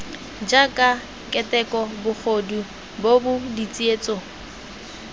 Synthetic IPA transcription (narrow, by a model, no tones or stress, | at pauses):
d͡ʒakʼa | kʼɛtɛkʼɔbʊk͡xʰodu | bobʊdit͡sʼieːt͡sʼo